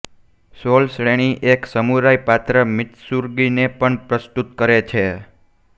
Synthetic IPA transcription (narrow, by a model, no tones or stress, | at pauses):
solsɭeɽ̃iʔeksəmuɾajpat̪ɾəmɪt̪suɾɡinepəɳpɾəst̪ut̪kəɾet͡ʃʰe